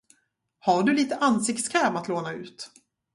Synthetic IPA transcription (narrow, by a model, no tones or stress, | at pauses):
haɖɵliːt̪əʔansɪkt̪skʰɛːmat̪loːnaʉ̟ːt̪